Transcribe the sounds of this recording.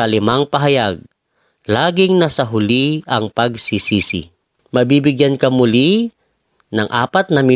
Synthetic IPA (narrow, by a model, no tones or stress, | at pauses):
ɐlɪmaŋpɐɦɐjaɡ̚ | laːɡɪŋnasɐɦʊliʔɐŋpɐɡsisisɪ̰ | mɐbiːbɪɡjankɐmʊli | nɐŋʔa̰ːpɐt̪̚nɐmɪ